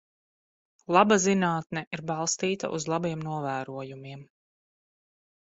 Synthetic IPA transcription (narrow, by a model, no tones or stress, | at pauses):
lˠabazinaːt̪nɛʔiɾbɑlˠst̪iːt̪a̰ʔuzlˠabiɛmnuɔvæːɾuɔjumiɛm